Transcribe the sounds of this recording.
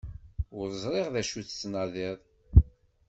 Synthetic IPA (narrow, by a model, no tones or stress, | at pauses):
ʊɾzˤɾˤeʁðæʃuθt͡sːnɑðɪðˤ